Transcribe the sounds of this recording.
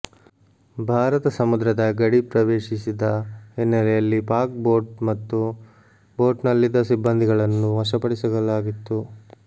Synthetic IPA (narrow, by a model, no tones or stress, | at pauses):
bʱaːɾɐt̪ɐsɐmud̪ɾɐd̪ɐɡɐɽipɾɐʋeːʂisid̪ɐɦenːɐlɛjɐlːipaːɾk̚bo̞ːɾʈmɐt̪ːu | boːɾɖnɐlːid̪ɐsibːɐnd̪ʱiɡɐɭɐnːuɦɐʂɐpɐɽisɐɡɐlaːɡit̪ːu